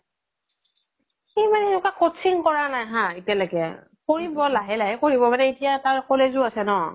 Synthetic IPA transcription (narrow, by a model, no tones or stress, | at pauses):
ximanɛnukakɔtsʰiŋkɔɹanajɦãitijalaɡɛ | koɹibɔlaɦɛlakoɹibɔmanɛitijataɹkolezʊasɛnɔ